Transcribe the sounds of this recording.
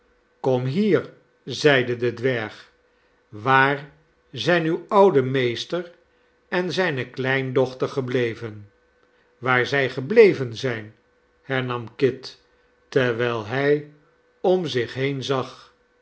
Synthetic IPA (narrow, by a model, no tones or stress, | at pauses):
kɔmɦiːɹ | zɛjdədədʋɛɹχ | ʋaːɹ | zɛjnywɑwdəmejstəɹ | ɛnzɛjnəklɛjndɔχtəɹχəblejvən | ʋaːɹzɛjχəblejvənzɛjn | hɛɹnɑmkɪtː | ɛɹʋɛlˠɦɛj | ɔmzɪχɦejnzɑχ